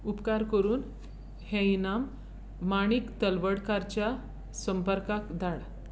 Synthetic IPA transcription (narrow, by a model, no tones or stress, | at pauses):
upkaɾkəɾuːn | hɛ̃inamː | aɽ̃ikt̪əlʋəɽkaɾt͡ɕja | səmpəɾkakd̪ʱaɽ